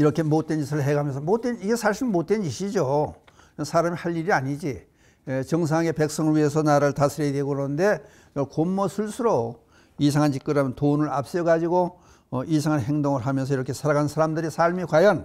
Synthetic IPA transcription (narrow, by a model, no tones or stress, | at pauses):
iɾʌkʰe̞mot̚t͈we̞nd͡ʑisʰɯɭɦe̞ɡamjʌns̬ʰʌmot̚t͈weniɡe̞sʰaɭɕʰimot̚twend͡ʑiɕʰid͡ʑo | sʰaɾamihaʎːiɾiaɲid͡ʑi | et͡ɕʌŋs̬ʰaŋɦaɡe̞pe̞k̚s͈ʌŋɯɭɥie̞s̬ʰʌnaɾɯɭtasʰɯɾedweɡoɯɾʌnnde̞ | komːʌsʰuɭsʰuɾo | is̬ʰaŋɦant͡ɕik͈ɯɾɦamjʌntonɯɾap̚s͈eɡad͡ʑiɡo | ʔisʰaŋɦanɦe̞ŋdoŋɯɭɦamjʌns̬ʰʌiɾʌkʰe̞sʰaɾaɡansʰaɾamdɯɾisʰaɭmikwajʌn